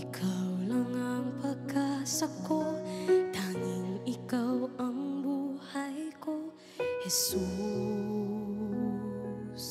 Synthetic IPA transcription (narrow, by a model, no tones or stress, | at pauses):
ikʰawləŋaŋpʰəkasəkot̪aŋiŋikawəmbuhajko | hesu | s